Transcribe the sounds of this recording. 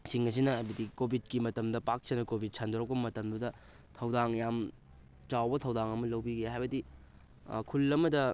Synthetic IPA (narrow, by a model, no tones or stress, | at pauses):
siŋɐs̬inɐajbɐdikobʱit̚kimɐtɐmdɐpak̚sɐnɐkobʱit̚sʰandoɾɐk̚pɐbɐmɐtɐmdudɐ | tʰɐwdaŋjam | t͡ʃawbɐtʰɐwdaŋɐmɐlɐwbiɡeɦajbɐdi | kʰulːɐmɐdɐ